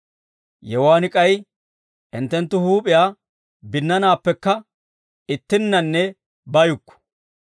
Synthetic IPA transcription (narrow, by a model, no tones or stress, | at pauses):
jɛwaːnɪkʼɐj | ʔɪnt̪ːɛnt̪ːʊhuːpʼɪjaː | bɪnːɐnaːpːɛkːɐ | ɪt̪ːɪnːɐnːɛ | bɐjʊkːɔ̥